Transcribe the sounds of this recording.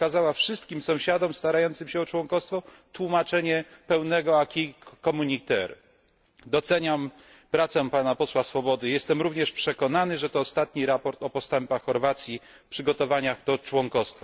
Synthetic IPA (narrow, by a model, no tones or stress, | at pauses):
kazawafʂɘst̪̚kʲimsɔ̃w̃ɕad̪ɔmst̪aɾajɔnt̪sɘmɕɛɔt͡ʂwɔŋkɔst̪fɔ | t̪wumat͡ʂɛɲɛpɛwnɛɡɔakʲikɔmuɲit̪ɛɾ | d̪ɔt̪sɛɲam | pɾat̪sɛpanapɔswasfɔbɔd̪ɘjɛst̪ɛmɾuvɲɛʂpʂɛkɔnanɘʐɛt̪ɔːst̪at̪ɲiɾapɔɾt̪ɔpɔst̪ɛmpaxxɔɾvat̪sʲji | pʂɘɡɔt̪ɔvaɲaɣd̪ɔt͡ʂwɔŋkɔst̪fa